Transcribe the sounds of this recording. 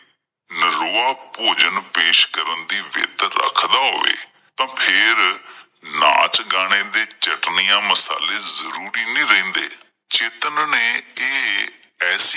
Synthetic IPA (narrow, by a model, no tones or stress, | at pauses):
nəɾoːaːpoːd͡ʒənpeːʃkəɾənd̪iːʋɪ̰t̪ɾə̰kʰd̪aːɦo̰ːʋḛː | t̪ãːpʰɪɾ | na̰ːt͡ʃɡaːñeːd̪eːt͡ʃəʈnijãːməsa̰ːleːzəɾuːɾiːnĩːɾɛ̃ːnd̪ḛː | t͡ʃeːt̪ənneːeː | ɛːs